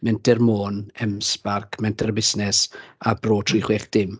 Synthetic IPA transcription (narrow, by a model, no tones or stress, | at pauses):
mɛntʰɛrmoːnɛmsb̥arkʰmɛntʰɛrbɪsnɛsabroːtʰriχwɛχd̥ɪm